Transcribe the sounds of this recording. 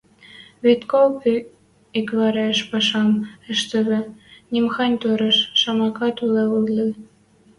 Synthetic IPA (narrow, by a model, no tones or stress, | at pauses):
βet̪kolp | ikβɑɾeʃpɑʃɑmɘ̆ʃt̪ɘ̆βɘ̆nʲimxɑnʲt̪oɾɤ̆ʃːɑmɑkɑt̪uleulli